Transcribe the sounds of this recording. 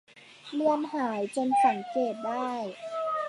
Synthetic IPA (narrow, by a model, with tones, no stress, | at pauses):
mɯ˧əmhaː˩˦jt͡ɕo˧nsa˩˦ŋkeː˨˩t̪̚daː˥˩j